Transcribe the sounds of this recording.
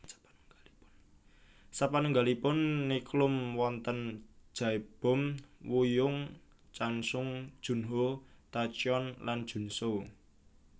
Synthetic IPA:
sapanuŋɡalipʊnːiklʊmwɔnt̪ənd̥ʒ̥a̤ib̥ɔ̤mwujʊŋ | t͡ʃansʊŋd̥ʒ̥ṳnɦot̪at͡ʃɔnlʔand̥ʒ̥ṳnsow

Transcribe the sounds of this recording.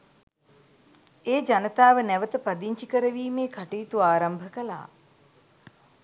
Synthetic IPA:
eːd͡ʒanət̪aːʋənɛʋət̪əpad̪iɲt͡ʃikəɾəʋiːmeːkʰaʈeːt̪uaːɾambʱəkəla̰ː

